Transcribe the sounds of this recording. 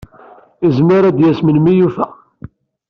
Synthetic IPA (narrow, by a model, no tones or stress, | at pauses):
izməɾæd̪jæsmənmijufæ